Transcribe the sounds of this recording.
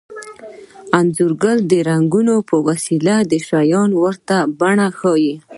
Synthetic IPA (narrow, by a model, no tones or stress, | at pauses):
anzuɾɡəld̪əɾaŋɡunopəwasilad̪əʃajɑnwəɾt̪abaɳaxɑji